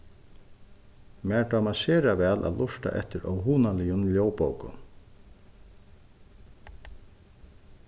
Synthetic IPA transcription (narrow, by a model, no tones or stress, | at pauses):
mɛːɹt̪aːmaseːɾavɛːlʔa̰ðlʔʊʂt̪a̰ʔɛ̰ht̪ɪɾɔwɦuːnalɪjʊnljoːwpoːwkʊ̰